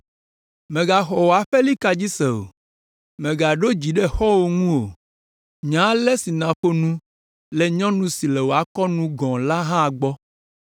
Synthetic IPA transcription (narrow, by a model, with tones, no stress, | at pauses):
mẽ˨ɡa˨xɔ˨wo˨a˨ɸe˦li˦ka˨d͡ʑi˦sɛ˨o̰˨ | mẽ˨ɡa˨ɖo˦d͡ʑi˨ɖɛ˦xɔ˦wo˦ŋũ˦o̰˨ | ɲã˨˦lɛ˦si˨nã˨ɸo˦nũ˦ | lɛ˨ɲɔ̃˦nũ˦si˨lɛ˨wo˨a˨kɔ˦nũ˦ɡɔ̃˨la˦ɦã˦˨ɡ͡bɔ˦